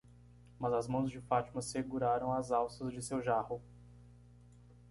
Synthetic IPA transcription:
mɐzɐzmɐ̃w̃zd͡ʒɪfat͡ʃimɐseɡuɾaɾɐ̃w̃ɐzawsɐzd͡ʒɪsewʒahʊ

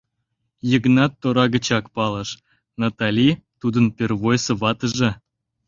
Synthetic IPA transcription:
jəknɑt̪ːoɾɑɣə̆t͡ɕɑkpɑlˠɤ̆ʃ | nɑt̪ɑlʲit̪ud̪ənpʲerβojsɤ̆βɑt̪ə̆ʒĕ

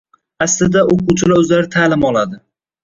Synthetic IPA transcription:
aslɪd̪aoquwt͡ʃʰɪlaɵzlaɾɪt̪ʰalɪmɒlˠad̪ɪ

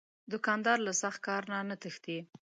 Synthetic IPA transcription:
d̪ʊkɑnd̪ɑɾlasaxt̪̚kɑɾnanat̪əxt̪i

